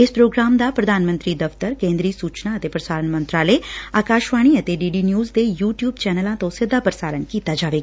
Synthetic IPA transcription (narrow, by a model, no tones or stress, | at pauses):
ɪspɾoːɡɾaːmd̪aːpɾəd̪ʱaːnmənt̪ɾiːd̪əft̪əɾkẽːnd̪ɾiːsuːt͡ʃnaət̪eːpɾəsaːɾənmə̃nt̪ɾaːleːaːkaːʃʋaːɽ̃iːət̪eɖiːɖiːnjuːzd̪eːjuːʈjuːbt͡ʃɛːnəlãːt̪õːsɪd̪ːaːpɾəsaːɾənkiːt̪aːd͡ʒaːʋeːɡaː